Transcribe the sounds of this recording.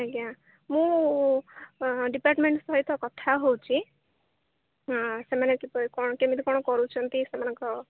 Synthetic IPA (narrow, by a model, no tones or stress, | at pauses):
aɡã | mũ | ɖipaɾʈmeɳʈst̪ʰɔit̪ʰɔkɔt̪ʰaɦowt͡ʃʰi | semanɔ̃kipkɔɽɔkemit̪ikɔɽ̃ɔkɔɾut͡ʃʰɔnt̪isemanɔ̃ŋkɔ